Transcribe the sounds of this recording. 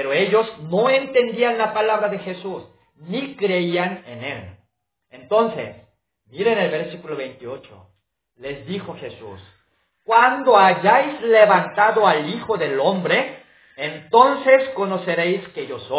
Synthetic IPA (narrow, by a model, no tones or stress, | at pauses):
peɾoe̞ʝo̞zno̞e̞nt̪e̞nd̪ianlapalaβɾaðe̞xe̞sus | nikɾeiane̞ne̞l | ent̪o̞nsḛs | miɾenelβe̞ɾsikulo̞βejnt̪io̞t͡ʃo̰ | le̞zðixo̞xe̞sṵs | kwand̪o̞aʝajzle̞βant̪aðo̞alixo̞ðe̞lo̞mbɾe̞ː | nt̪o̞nse̞sko̞no̞se̞ɾe̞jskeʝoso